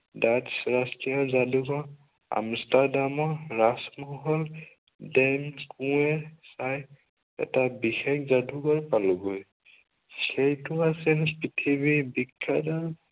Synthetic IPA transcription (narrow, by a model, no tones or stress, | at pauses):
datsɹastijɔzaduɡɔɹ | a̰mstadamɔɹasmɔɦɔl | dɛmkũɛsaj | ɛ̰tabixekʰzaduɡɔɹpaluɡoj | xejtʊasɛnpitʰibibikʰːada